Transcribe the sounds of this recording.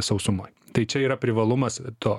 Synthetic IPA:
sɐʊsʊmoːjt̪ɐɪt͡ʃʲɛiːɾɐpʲɾʲɪʋɐlˠʊmɐst̪oː

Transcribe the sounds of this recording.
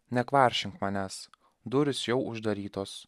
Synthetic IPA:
nʲɛkʋɑˑɾʲʃʲɪŋkmɑnʲæːs | d̪ʊɾʲɪsjɛʊʔʊʒd̪ɐɾʲiːt̪oːs

